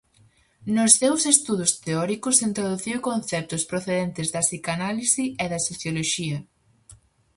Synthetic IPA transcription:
nʊsθewsest̪uðʊst̪eɔɾikʊsint̪ɾoðuθiwkonθɛp̚t̪ʊspɾoθeðɛnt̪ɪzðɐsikanalisiɛðɐsoθjoloʃiɐ

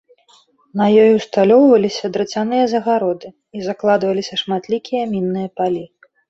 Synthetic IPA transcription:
nɐjɔjuwst̪alʲɔwvɐlʲisʲɐd̪ɾɨt͡sʲanɨjɐzɐɣaɾɔd̪ɨ | izaklˠad̪vɐlʲisʲɐʂmat̪lʲikʲijɐmʲinːɨjɐpalʲi

